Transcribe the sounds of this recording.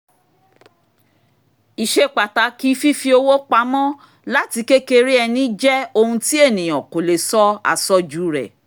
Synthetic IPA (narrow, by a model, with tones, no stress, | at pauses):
i˨ʃe˧˦k͡pa˨ta˨˦ki˦fi˦fi˧˦o˧wo˦k͡pa˧˦mɔ̃˦ | la˦ti˧ke˦ke˧ɾi˦ɛ˧nĩ˦d͡ʒɛ˦o˧hũ˧ti˦e˦˨nĩ˨j̃ɔ̃˨ko˨le˨sɔ˦a̰˨sɔ˧d͡ʒuː˨˦ɾɛ̰˨